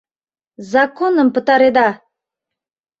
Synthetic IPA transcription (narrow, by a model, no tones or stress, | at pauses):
zakonəmpɨt̪ɑɾed̪ɑ